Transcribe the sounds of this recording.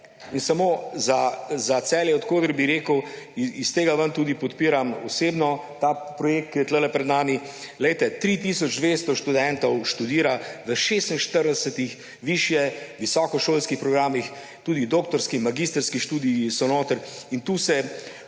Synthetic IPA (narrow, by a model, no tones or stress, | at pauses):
insamoːzazat̪sɛːljɛɔt̪koːɡəɾbiɾeːkəwist̪eːɡaʋənt̪uːd̪ipɔt̪piːɾamɔseːbnɔt̪apɾɔjeːk̚t̪̚kijɛt̪ləlɛpɾɛd̪naːmi | lɛjt̪ɛt̪ɾit̪iːsɔd͡ʒd̪ʋeːst̪ɔʃt̪ud̪ɛnt̪ɔwʃt̪ud̪iːɾaʋəʃeːst̪inʃt̪əɾd̪ɛsət̪ix | ʋiːʃjɛʋisɔːkɔʃoːlskixpɾɔɡɾaːmix | t̪uːd̪id̪oːkt̪ɔɾskimaɡiːst̪əɾskiʃt̪uːd̪ijisɔnoːt̪əɾint̪uːsɛ